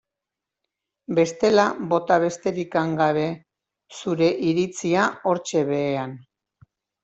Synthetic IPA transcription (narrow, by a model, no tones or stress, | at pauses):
be̞st̪e̞laβo̞t̪aβ̞e̞st̪e̞ɾikaŋɡaβe̞ | suɾe̞ʔiɾit͡siao̞ɾt͡ʃe̞βe̞ːan